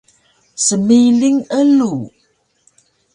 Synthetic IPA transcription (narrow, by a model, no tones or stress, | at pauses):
səmiliŋəlu